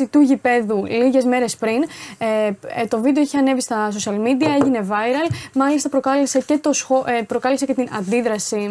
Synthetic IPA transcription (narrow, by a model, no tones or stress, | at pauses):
it̪uʝipe̞ðuliʝe̞zme̞ɾe̞spɾinet̪o̞vid̪eoiçeɐne̞vist̪ɐs̬osɐlmid̪iɐe̞ʝine̞vɐjɾɐlmɐlist̪ɐpɾokɐlese̞ce̞t̪o̞sxopɾo̞kɐlese̞ce̞t̪inɐnd̪iðɾɐsi